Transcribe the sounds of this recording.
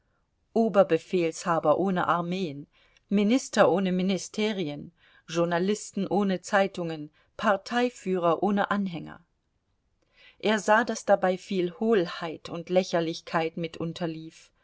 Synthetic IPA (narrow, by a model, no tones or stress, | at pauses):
ʔoːbɐbəfeːlshaːbɐʔoːnə̰ʔaɐmeːən | mɪnɪstɐʔoːnəmɪnɪstʰeːʁ̞iən | ʒʊɐnalɪstn̩ʔoːnət͡saɪtʊŋən | pʰaɐtʰaɪfyːʁ̞ɐʔoːnəʔanɦɛŋɐ̰ | ʔeːɐzaːdasd̥abaɪfiːlhoːlhaɪtʰʊntlɛçɐlɪçkʰaɪtmɪtʰʔʊntʰɐliːf